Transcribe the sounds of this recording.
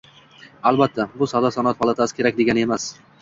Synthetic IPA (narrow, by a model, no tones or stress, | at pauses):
albat̪ʰːabʊsɒd̪asɒnat̪hɒlˠat̪ʰasɪ̥kʰʲeɾakʲd̪e̞ɡʲane̞mas